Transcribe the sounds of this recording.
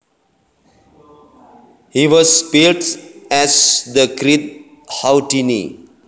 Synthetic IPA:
hiʋɔzpelʈɛzd̪əkɾid̪̚ | hawʈinḭ

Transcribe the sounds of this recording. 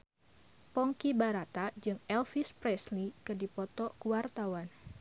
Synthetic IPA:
pɔŋkibaɾat̪ad͡ʒɨŋɛlfispɾɛslikɨdipɔt̪ɔkuwart̪awan

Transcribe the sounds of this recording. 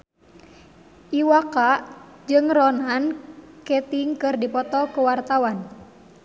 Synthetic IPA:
ʔiwakaʔd͡ʒɨŋrɔnankɛt̪iŋkɨrdipɔt̪ɔkuwart̪awan

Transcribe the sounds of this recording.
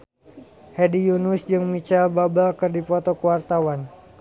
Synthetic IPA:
hɛdijunusd͡ʒɨŋmit͡ʃalbabalkɨrdipɔt̪ɔkuwart̪awan

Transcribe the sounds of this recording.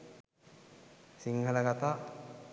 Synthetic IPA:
siŋhɐləɡat̪aː

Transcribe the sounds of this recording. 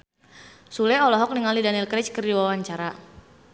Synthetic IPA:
sulɛɔlɔɦɔk̚niŋalidanilkɾɛt͡ʃkərdiwawaɲt͡ʃaɾa

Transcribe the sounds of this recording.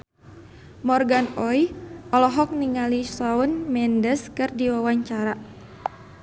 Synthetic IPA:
mɔrɡanɔjʔɔlɔɦɔk̚niŋalisaunmɛndəskɨrdiwawaɲt͡ʃaɾa

